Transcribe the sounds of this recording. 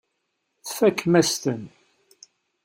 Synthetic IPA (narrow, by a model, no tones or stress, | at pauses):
θfækːmæst̪ən